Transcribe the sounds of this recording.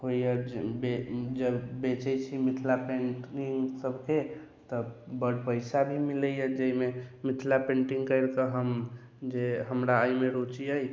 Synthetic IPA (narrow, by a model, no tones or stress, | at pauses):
ɦoijəbed͡ʒəbbet͡ʃɛt͡ʃʰimit̪ʰlapẽɳʈiŋɡsəbʱke | t̪ɔbəɖpəɪsabʱimiləjəd͡ʒəimemit̪ʰlapẽɳʈiŋɡkəɪɾkəɦəm | d͡ʒeɦəmɾaəjmeɾot͡ʃiəj